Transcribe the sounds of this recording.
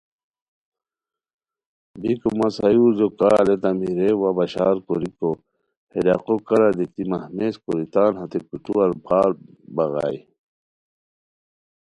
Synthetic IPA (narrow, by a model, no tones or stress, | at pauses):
bikumɐsɐjuːzokaːlet̪amiɾewabɐɕaːɾkoɾiko | heɾaqokɐɾad̪it̪imɐhmeːskoɾit̪aːnɦɐt̪ekuʈuɐɾbʰʱaːɾ | bɐɣa̰ːi